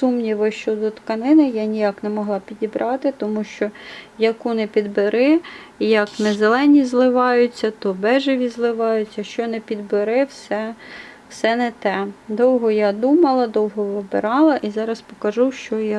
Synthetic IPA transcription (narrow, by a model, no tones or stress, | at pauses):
sumnʲiʋɔʃt͡ʃɔd̪ɔt̪kɐnɪnɪjanʲijaknɛmɔɦlˠɑpʲidʲibɾʔɑt̪ɪt̪ɔmuʃt͡ʃɔjɐkunɛpʲid̪bɪɾɪ | jɐknɛzelˠɛnʲizlˠɪʋɑjʊt͡sʲːɐt̪ɔbɛʒɪʋʲizlˠɪʋɑjʊt͡sʲɐʃt͡ʃɔnɛpʲid̪bɪɾɪwsɛwsɛnɛt̪ɛd̪ɔwɦɔjad̪umɐlˠɐd̪ɔwɦɔʋɪbɪ̰ɾɑlˠɐʔizɑɾɐspɔkɐʒuʃt͡ʃɔj